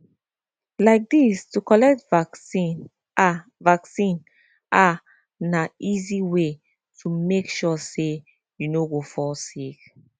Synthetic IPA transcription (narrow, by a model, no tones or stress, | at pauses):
laɪk̚distukɔlɛk̚tvaksĩn | avaksĩn | ʔa | naiziwe | tʰumekʃɔse | junoɡofɔsek